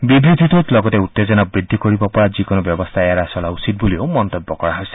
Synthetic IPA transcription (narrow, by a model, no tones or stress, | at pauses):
bibɾid̪ʱit̪ot̪lɔɡɔt̪eut̪ːed͡ʒɔnabɹid̪ʱːikɔɹibɔpɔɹad͡ʒikonɔbjɔbɔst̪ʰaeaɾasɔlausit̪̚buliomɔnt̪ɔbːɔkɔɹaɦojsi̥